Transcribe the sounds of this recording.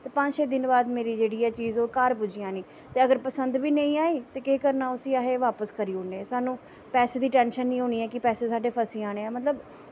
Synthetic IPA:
t̪eːpə̃d͡ʒʃɛːd̪ɪnbaːd̪meːɾiːd͡ʒeːɽiːɛːt͡ʃiːzoːkaːɾpʊd͡ʒijãːniː | t̪eːəɡəɾpəsənd̪ʋiːnə̃ĩːaːiːt̪eːkeːkəɾnaːʊsiːaːɦeːʋaːpəskəɾiːʊɳɖeɛːsaːnũː | pɛːseːd̪iːʈɛːnʃənːĩːɦoːɽ̃iːɛːkɪpɛːseːsaːɖeːpʰəsĩːaːɽ̃eːɛːmət̪ləb

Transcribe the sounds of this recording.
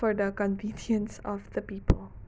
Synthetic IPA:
fɔɹd̪əkɔ̃nvĩndiə̃nsɔvðəpiːpəlˠ

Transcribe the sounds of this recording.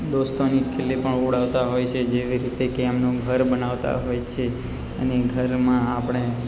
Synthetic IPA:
d̪ost̪onikʰelːipəɳoɽaʋt̪aɦojt͡ʃʰed͡ʒeʋiɾit̪ekemnũɡʱəɾbənaʋt̪a̰ɦojt͡ʃʰe | əneɡʱəɾmãːpɽ̃e

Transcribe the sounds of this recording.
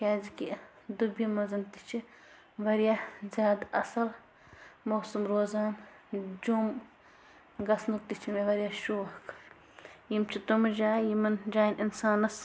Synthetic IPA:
kʲaːziki | d̪ubimɐzɐnt̪i̥t͡ʃʰi | ʋɐɾijazʲaːd̪ɐ̰sɐl | mowsumɾoːzaːn | d͡ʒum | ɡɐsnuk̚t̪it͡ʃʰimeʋɐɾʲijaːʃuːhkʰ | jimt͡ʃʰit̪umɐd͡ʒaːjimɐnd͡ʒaːjnʔinsaːnɐs

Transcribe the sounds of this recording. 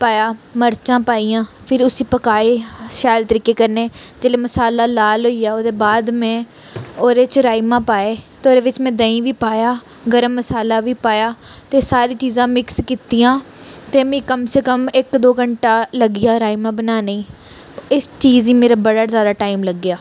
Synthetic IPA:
paːjaːməɾt͡ʃãːpaːijãːpʰɪɾʊsĩːpəkaːeːʃaːlt̪əɾiːkeːkəɾneːd͡ʒeːleːməsaːlaːlaːlɦoːiːaːoːd̪eːbaːd̪mɛ̃ː | oːɾeːt͡ʃɾaːimãːpaːeːt̪eoːɾeːʋɪt͡ʃmɛ̃ːd̪əĩːʋiːpaːjaː | ɡəɾəmːəsaːlaːʋiːpaːjaːt̪eːsaːɾiːt͡ʃiːzãːmɪkskiːt̪iːjãː | t̪eːmẽːkəmseːkəmɪkd̪oːɡəɳʈaːləɡijaːɾaːimãːbənaːneĩː | ɪst͡ʃiːziːmeːɾaːbəɽaːzaːd̪aːʈaːimləɡːjaː

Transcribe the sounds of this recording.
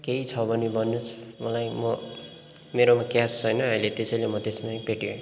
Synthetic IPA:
keit͡sʰʌbʌnibʌnːut͡sʰmʌlajmʌ | meɾomakjast͡sʰʌjnʌailet̪esʌjlemʌt̪esmajpeʈiẽ

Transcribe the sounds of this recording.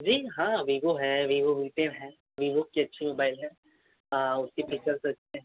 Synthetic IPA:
d͡ʒiːɦãːʋiːɡoɦɛʋiːɡoʋiːʈenɦɛ̃ː | ʋiːbukkːiɐtːʃʰimoːbaːɪlɦɛ̃ː | əʊskipɪkt͡ʃəɾsɐt͡ʃːʰeɦɛ̃

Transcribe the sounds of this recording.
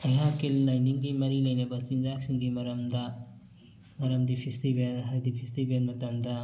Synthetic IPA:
ɐjɦakelːɐjniŋɡimɐɾilɐjnɐbɐt͡ʃind͡ʒak̚siŋɡimɐɾɐmdɐ | mɐɾɐmdipʰistibenɦaɾdipʰistibenmɐtɐmdɐ

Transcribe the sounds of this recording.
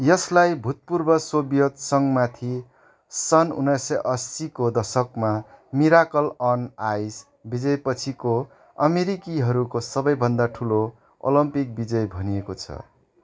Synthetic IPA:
jʌslajbʱut̪̚purbʌsobijʌt̪sʌŋmat̪ʰi | sʌnṵnʌsʌʔʌsːikod̪ʌsʌkmamiɾakʌlʌnajs | bid͡zʌjpʌt͡sʰiko | ʌ̰meɾikiɦʌɾukosʌbʌjbʱʌnd̪aʈʰulo | o̰lʌmpik̚bid͡zʌjbʱʌnijekot͡sʰʌ̰

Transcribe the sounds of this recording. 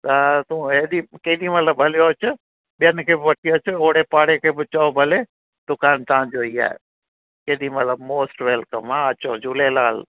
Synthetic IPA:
t̪ɐt̪ũːeːɗikɐɗimɐt̪ləbbʱɐlijoɐt͡ʃʰʊ | ɓijənɪ̆kʰeːbɪʋɐʈʰijoːt͡ʃʰɪoːɽepaːɽekʰeːbɪt͡ɕɔobʱɐle | t̪ʊkaːnt̪ɐʋãd͡ʑoiːa̰ːḛ | kɐiɗimɐt̪ləbmoːsʈʋeːlkəmãɐt͡ɕod͡ʑuːlelaːl

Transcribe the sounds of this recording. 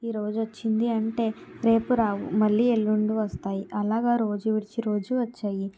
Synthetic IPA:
iɾo̞ːd͡ʒʋot͡ʃːind̪iɐɳʈe̞ːɾe̞ːpuɾaːwṵmɐɭːiːeɭːuɳɖuʋɐst̪aːjiʔɐlaːɡaːɾo̞ːd͡ʒuʋiɽit͡ʃiɾo̞ːd͡ʒuʋɐt͡ʃːaːji

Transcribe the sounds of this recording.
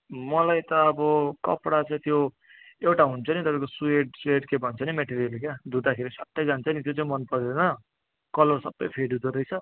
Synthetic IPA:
mʌlajt̪ʌːbʌkʌ̰pɽat͡saĩt̪jo | ewʈaɦunt͡sʰʌnit̪ʌpãj̃kosueʈsueʈkebʱʌnt͡sʰʌnimeʈeɾijʌlekjad̪ʱud̪akʰeɾisʌʈːʌjd͡zant͡sʰʌnit̪jot͡saĩmʌnpʌɾd̪enʌ | kʌlʌrsʌbːʌ̰jpʰeɖud̪ʌd̪ʌjt͡sʰʌ

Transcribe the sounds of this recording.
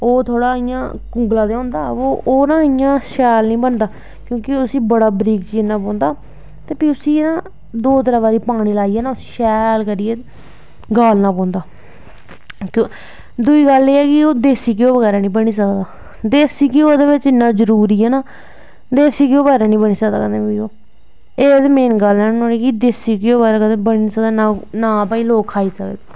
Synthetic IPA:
oːt̪ʰoːɽaːɪjã̰ːkʊ̃ŋɡlãːd̪eːõːnd̪aːoːoːnãːɪjãːʃɛːlnĩːbənd̪aː | kjõːkɪʊsĩːbəɽaːbɾiːkt͡ʃiːɪnːãːpɔ̃ːnd̪aː | t̪eːpiːʊsiːnãː | d̪oːt̪əɾaːbaːɾiːpaːɽ̃ĩːlaːiːɛːnaːʊsiːʃɛːlkəɾiːeː | ɡaːlnaːpɔ̃ːnd̪aː | kː | d̪ʊiːɡəleːɛːkɪoːd̪eːsiːk̬ɪoːʋəɣɛːɾaːnĩːbəɽ̃iːs̬əkd̪aː | d̪eːsiːkɪoːd̪eːʋɪt͡ʃɪnːãːzəɾuːɾiːɛːnaː | d̪eːsiːkɪoːbəɛːɾaːnĩːbəɽ̃iːsəkd̪aːkəd̪ẽːpiːoː | eːd̪mẽːnɡəlnɛ̃ːnõːnĩːkɪd̪eːsiːkeoːɛːɾaːkəd̪eːbəɽ̃iːniːsəkd̪aːnaːnaːpaːĩːloːkʰːaːiːsəkd̪aː

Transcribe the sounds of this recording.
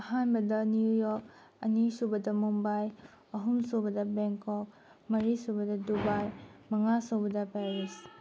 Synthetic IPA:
ɐhanbɐdɐnujujɔk̚ | ɐnisubɐdɐmumbaj | ɐɦumsobɐdɐbeŋkʰɔp̚ | mɐɾisubɐdɐdubajmɐŋasobɐdɐpaɾis

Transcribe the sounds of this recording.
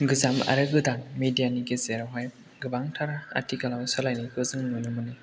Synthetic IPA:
ɡɯzama̰ɾɯɡɯdaŋmedijaniɡezeɾaɦaj | ɡɯbaŋtʰaɾaa̰tʰiɡalawsɔlajnikʰɯzɯŋnɯnɯmɯni

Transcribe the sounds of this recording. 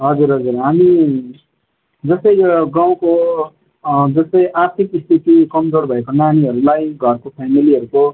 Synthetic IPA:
ɦʌd͡zuɾɦʌd͡zurɦami | d͡zʌsʌjɡaw̃ko | d͡zʌsʌjʔart̪ʰikist̪ʰit̪ikʌmd͡zorbʱʌekonaniɦʌɾulajɡʱʌrkopʰamiliʌɾuko

